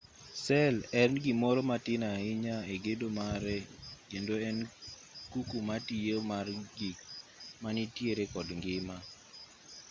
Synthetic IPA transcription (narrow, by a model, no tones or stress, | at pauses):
sɛlɛnɡimɔɾɔmatɪnaɪɲaeɡedomaɾɛkendoɛn | kukumatijemarɡɪmanitjeɾekɔdŋɡɪma